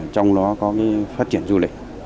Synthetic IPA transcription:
t͡ɕɔ˧wŋ͡mɗɔ˨˦kɔ˨˦kaː˨˦jfaː˦˥t̚t͡ɕi˧˩ənzu˧lï˨˩k̟̚

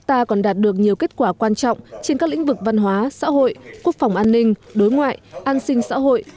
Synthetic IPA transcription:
t̪aː˧kɔ˨˩nɗaː˨˩t̚ɗɨ˨˩ək̚ɲi˨˩əwke˦˥t̚kwaː˧˩kwaː˧nt͡ɕɔ̰˧˨wŋ͡mt͡ɕe˧nkaː˦˥k̚lï˧˥ŋ̟vɨ˨˩k̚va˧nɦwaː˨˦sa̰ː˧˥ɦo̰˧˨jku˦˥ək̚fa˨˩wŋ͡mʔaː˧nːï˧ŋ̟ɗo˨˦jŋwa̰ː˧˨jʔaː˧nsï˧ŋ̟sa̰ː˧˥ɦo̰˧˨jʔ

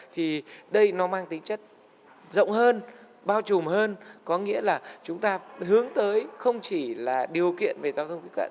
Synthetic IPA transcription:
t̪ʰi˨˩ɗə˧jnɔ˨˦maː˧ŋt̪ï˨˦ŋ̟t͡ɕə˦˥t̚ | zə̰˧˨wŋ͡mhəː˧n | ɓaː˧wt͡ɕʊ˨˩mhəː˧nkɔ˨˦ŋḭ˧˥əlaː˨˩t͡ɕʊ˨˦ŋ͡mt̪aː˧hɨ˨˦əŋt̪əː˨˦jxə˧wŋ͡mt͡ɕi˧˩laː˨˩ɗi˨˩əwkḭ˧˨ənve˨˩zaː˨˧wt̪ʰə˧ŋ͡mki˦˥kwa̰˧˨

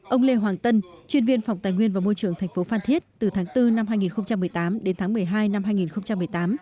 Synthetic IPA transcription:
ʔə˧wŋ͡mle˧ɦwaː˨˩ŋt̪ə˧nt͡ɕwi˧ənvi˧ənfwŋ͡mt̪aː˨˩jŋwi˧ənvaː˨˩mo˧jt͡ɕɨ˨˩əŋt̪ʰɛ˨˩jŋ̟fo˨˦faː˧˩nt̪ʰi˦˥t̚t̪ɨ˨˩t̪ʰaː˨˦ŋt̪ɨ˧na˧mhaː˧jŋi˨˩nxə˧wŋ͡mt͡ɕa˧mːɨ˨˩əjt̪aː˨˦mɗe˨˦nt̪ʰaː˨˦ŋmɨ˨˩əjɦaː˧jna˧mɦaː˧jŋi˨˩nxə˧wŋ͡mt͡ɕa˧mːɨ˨˩əjt̪aː˨˦m

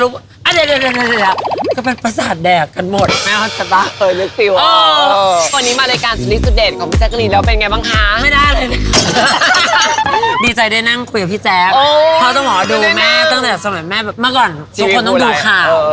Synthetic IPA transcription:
lu˦˥ | ʔa˧˩da˧˩le˧˩a˧˩a˧ki˧˩lʰa˦˥kɔː˥˩pe˧npɾa˧saː˨˩t̪̚dɛː˨˩k̚ka˧nmo˨˩t̪̚mɛː˥˩ka˧˩sa˧˩t̪aː˧˩kʰɤː˧jlɯ˦˥k̚fi˧˩woː˧kwa˧nːiː˦˥maː˧laː˧jkaː˧nsa˧li˦˥p̚su˨˩t̪̚deː˨˩nkʰɔː˨˩˦mʰi˦˥˩saː˦˥ka˧liː˧˩lɛː˦˥wp̬e˧nŋa˧jbaː˧ŋkʰa˦˥ma˥˩jdaː˥˩jlɤː˧jna˦˥˩ | diː˧t͡ɕa˧jdaː˥˩jna˥˩ŋkʰu˧jka˨˩pʰiː˦˥˩t͡ɕɛː˦˥koː˧kʰa˦˥wt̪ɔ˥˩ŋʔɔː˨˩˦a˧duː˧mɛː˥˩t̪ɔ˥˩ŋt̪ɛː˨˩sa˧ma˨˩˦jmɛː˥˩bɛː˨˩p̚maː˧˥˩kɔː˨˩n | t̪ʰu˦˧˦kʰːo˧nt̪ɔ˥˧˩ŋduː˧kʰaː˨˩˧

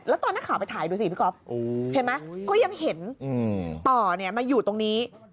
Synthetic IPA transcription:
lɛː˦˥t̪ɔː˧na˦˥kʰaː˨˦wpa˧jt̪ʰaː˨˩˦jduː˧si˨˩pʰi˦˥kʰɔ˦˥p̚ʔoː˧t͡ɕʰe˦˥˩nma˦˥jkɔː˥˩ja˧ŋhe˩˦nʔɯː˧˩t̪ɔː˨˩ni˧˩ɐmaː˧juː˨˩t̪o˧ŋniː˦˥

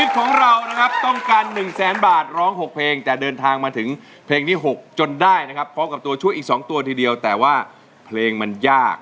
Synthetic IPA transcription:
ni˦˥t̪̚kʰɔː˩˦ŋɾa˧wna˦˥kʰa˦˥p̚t̪ɔ˥˩ŋkaː˧nːɯ˨˩ŋsɛː˩˦nbaː˨˩t̪̚ɾɔː˦˥ŋɦo˨˩k̚pʰleː˧ŋt̪ɛː˨˩dɤː˧nt̪ʰaː˧ŋmaː˧t̪ʰɯ˩˦ŋ | pʰeː˧ŋt̪ʰiː˥˩ɦo˨˩k̚t͡ɕo˧ndaː˥˩jna˦˥kʰa˦˥pʰɾɔː˦˥mka˨˩p̚t̪u˧ɐt͡ɕʰu˥˩əʔiː˨˩k̚sɔː˩˦ŋt̪u˧ɐt̪ʰiː˧di˧əwt̪ɛː˨˩waː˥˩ | pʰleː˧ŋma˧njaː˥˩k̚

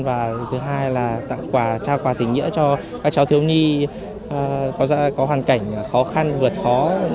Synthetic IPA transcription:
nvaː˨˩t̪ʰɨ˨˦ɦaː˧jlaː˨˩t̪a̰ː˧˨ŋkwaː˧˩t͡ɕaː˧kwaː˨˩t̪ï˨˩ŋ̟ɲḭ˧˥ət͡ɕɔ˧ | ka˨˦˥k̚t͡ɕa˨˦wt̪ʰɨ˨˦əwɲi˧ | ʔkɔ˨˦za̰ː˧˥kɔ˨˦ɦwaː˨˩nka˧˩jŋ̟xɔ˨˦xa˧nvɨ˨˩ət̚xɔ˨˦

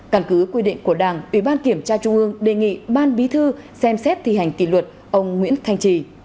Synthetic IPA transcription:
ka˧˩nkɨ˨˦kwi˧ɗḭ˧˨ŋ̟ku˧˩əɗaː˧˩ŋʔi˧˩ɓaː˧nki˧˩əmt͡ɕaː˧t͡ɕʊ˧ŋ͡mʔɨ˧əŋɗe˨˩ŋḭ˧˨ɓaː˧nɓi˨˦t̪ʰɨ˧sɛ˧msɛ˦˥t̚t̪ʰḭ˨˩ha˨˩jŋ̟kḭ˧˩lwə˨˩t̚ | ʔə˧wŋ͡mŋwḭ˧˥ənt̪ʰa˧jŋ̟t͡ɕi˧˩

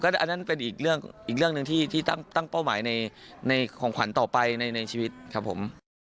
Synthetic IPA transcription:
kɔ˥˩˥ʔa˧nːa˦˥npe˧nʔiː˨˩k̚ɾɯ˥˩əŋʔiː˨˩k̚ɾɯ˥˩əŋnɯ˨˧ŋt̪ʰiː˥˩t̪ʰiː˥˩t̪a˥˩ŋt̪a˥˩ŋpa˥˩wmaː˩˦jna˧jna˧jkʰɔː˩˦ŋkʰwa˩˦nt̪ɔː˨˩pa˧jna˧jna˧jt͡ɕʰiː˧wi˦˥t̪̚kʰa˦˥pʰːo̰˩˦m

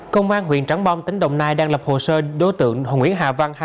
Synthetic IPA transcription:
kə˧wŋ͡mʔaː˧nɦwḭ˧˨ənt͡ɕa˨˦ŋɓɔ˧wŋ͡mt̪ï˨˦ŋ̟ɗə̰˧˨wŋ͡mnaː˧jɗaː˧ŋlə˨˩p̚ho̰˧˨˩səː˧ɗo˨˦jt̪ɨ̰˧˨əŋɦo˧˨ŋwḭ˧˥ənɦa̰ː˧˨˩va˧nh

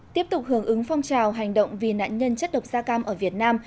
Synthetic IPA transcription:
t̪i˦˥əp̚t̪ʊ˨˩k͡p̚hɨ˨˧˩əŋʔɨ˨˦ŋfɔ˧wŋ͡mt͡ɕaː˨˩wɦa˨˩jŋ̟ɗə̰˧˨wŋ͡mvi˨˩na̰ː˧˨nɲə˧nt͡ɕə˦˥t̚ɗə˨˩wk͡p̚zaː˧kaː˧mʔəː˧˩vi˨˩ət̚naː˧m

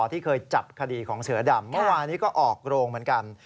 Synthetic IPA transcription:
t̪ʰiː˥˩kʰɤː˧jt͡ɕa˨˩p̚kʰa˧diː˧kʰɔː˩˦ŋsɯ˩˦ɐda˧mːɯ˥˩˨waː˧nːiː˦˥kɔː˥˩ʔɔː˨˩k̚ɾoː˧ŋmɯ˩˦ənka˧n

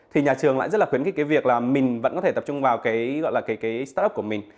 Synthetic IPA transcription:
t̪ʰi˨˩ɲaː˨˩t͡ɕɨ˨˩əŋla̰ː˧˨z̚laː˨˩wi˨˦ənkaː˨˦jkːa˨˦jvi˨˩ək̚laː˨˩mï˨˩ŋ̟və̰˧˥nkɔ˨˦t̪ʰe˧˩t̪ə˨˩p̚t͡ɕʊ˧ŋ͡mvaː˨˩wkaː˨˦jɣɔ̰˧˨jlaː˨˩kaː˨˦jkaː˨˦jst̪aː˦˥ə˦˥k͡p̚kəmï˨˩ŋ̟

